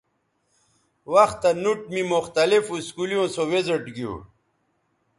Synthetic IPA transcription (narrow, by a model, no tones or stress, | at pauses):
wɐxt̪anuʈ̚mimuxt̪ɐlifuskulijõːsoweziʈɡijṵ